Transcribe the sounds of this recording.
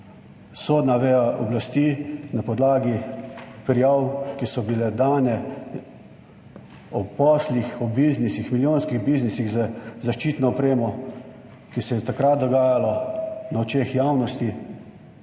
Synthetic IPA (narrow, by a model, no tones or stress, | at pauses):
soːd̪naʋeːjaʔɔblast̪iːnapɔd̪laːɡipɾijawkisɔbilɛd̪aːnɛ | ɔpɔslixɔbiznisixmiljoːnskiɣbiznisiɣzəzaʃt͡ʃiːt̪nɔɔpɾeːmɔ | kisɛjɛt̪akɾat̪̚d̪ɔɡaːjalɔnaɔt͡ʃeːxjaːwnɔst̪i